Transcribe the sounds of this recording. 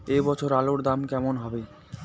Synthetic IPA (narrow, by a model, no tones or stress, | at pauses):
ebɔt͡ɕʰoɾaloɾd̪amkɛmonɦɔbe